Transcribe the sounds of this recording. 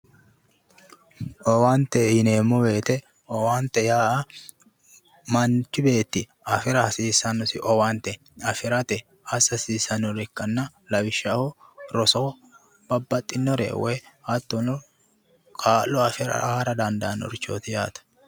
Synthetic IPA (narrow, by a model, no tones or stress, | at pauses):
ʔɔwant̪ːɛɪneːmːɔbe̞ːt̪ɛ | ɔwaːnt̪ːɛjaːɐ | mɐnt͡ʃːɪbe̞ːt̪ːɪ | ɐfɪɾɐhɐsiːsɐnːɔsɪʔɔwaːnt̪ɛ | ɐfɪɾɐt̪ɛ | ɐsːɐsiːsɐnɔɾɛkːɐnːɐ | lɐwɪʃːɐhɔ | ɾɔsɔ | b̥ɐbːɐt̪ʼːɪnːɔɾḛːwɛɐt̪ːɔnɔ | kʼaːlːɔɐfɪɾɐ̰ʔːɾɐd̪ɐnd̪aːnːɔ̰ɾɪt͡ʃːo̰ːt̪ɪjaːt̪ɐ̥